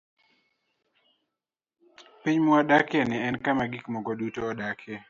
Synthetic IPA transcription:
piɲmɔadakɛnɪɛnkamaɡikmɔɡɔdutoɔdakʰɛ

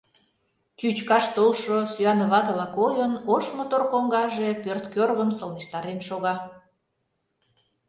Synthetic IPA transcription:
t͡ɕyt͡ɕkɑʃt̪olʃosyɑnəβɑd̪əlɑkojənoʃmot̪orkoŋɡɑʒe̽pørt̪kørɣəmsəlneʃt̪ɑɾenʃoɣɑ

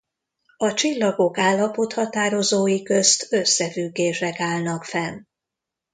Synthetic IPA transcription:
ɒt͡ʃilːɒɡo̞kaːlːɒpo̞t̪hɒt̪aːɾo̞zoːjikøst̪ø̞sːɛfyɡːeːʃɛkaːlnɒkfɛn

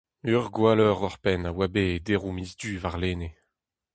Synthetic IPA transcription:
yʁɡwalɔʁɔʁpɛnawabed̪eʁumizd̪yːvaʁleːne

